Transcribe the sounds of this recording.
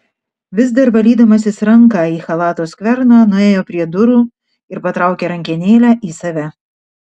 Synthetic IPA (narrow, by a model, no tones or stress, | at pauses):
ʋʲɪzd̪ɐɾbɐlʲiːd̪ɐmɐsʲɪsɾɐŋkɑːiːxɐlˠɑːt̪oːskʋʲɛɾnɑːnʊeːjoːpʲɾʲiɛd̪ʊɾuː | ɪɾpɐt̪ɾɑˑʊkʲeɾɐŋʲkʲɪnʲeːlʲæːʔiːsɐʋʲɛ